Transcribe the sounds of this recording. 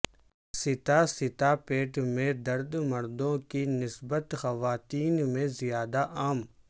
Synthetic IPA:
sɪt̪asɪt̪apeːʈmẽd̪ɐɾd̪mɐɾd̪õkinɪsbət̪xɐʋaːt̪iːnmẽzijaːd̪aʔaːm

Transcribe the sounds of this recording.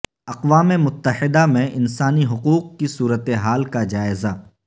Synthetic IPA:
ɐqʋaːmemʊt̪ːəhɪd̪amẽʔɪnsaːniɦʊquːq̚kisuːɾət̪eɦaːlkad͡ʒaːɪza

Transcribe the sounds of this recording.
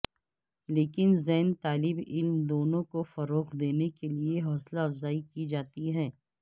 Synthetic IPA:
leːkɪnzɛɦnt̪aːlɪbɪlmd̪oːnõkofɐɾoːqd̪eːnekelieɦɔːslaɐfzaːikid͡ʒaːt̪iɦɛ̃ː

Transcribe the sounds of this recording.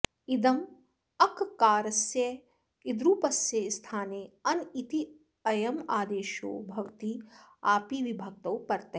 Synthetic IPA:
id̪ɐm | ɐkkaːɾɐsjɐ | id̪ɾuːpɐsjɐst̪ʰaːneːɐnit̪i | ɐjɐmaːd̪eːʃo̰ːbʱɐʋt̪iaːpiːʋibʱɐk̚t̪ɐwpɐɾt̪e

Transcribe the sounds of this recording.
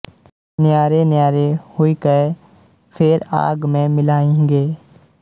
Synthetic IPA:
nɪjaːɾenɪjaːɾehʊikəe | pʰɪɾa̰ːɡmẽmɪlaːẽŋɡeː

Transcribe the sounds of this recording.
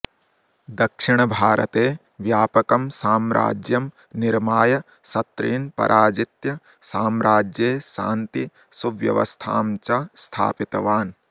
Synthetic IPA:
d̪ɐkʂɪɳɐbʱaːɾɐ̰t̪eː | ʋjaːpɐkɐmsaːmɾa̰ːd͡ʒjɐm | niɾmaːjɐ | sɐt̪ɾiːnpɐ̰ɾʔaːd͡ʒit̪jɐ | saːmɾaːd͡ʒjeːʃa̰ːnt̪i | suʋjɐ̰ʋɐ̰st̪ʰa̰ːmt͡ʃɐst̪ʰa̰ːpit̪ɐʋaːn

